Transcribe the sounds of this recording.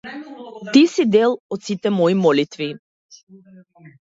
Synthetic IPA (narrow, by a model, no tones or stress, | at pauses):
t̪isid̪elˠɔt̪sit̪ɛmɔjimɔlit̪vi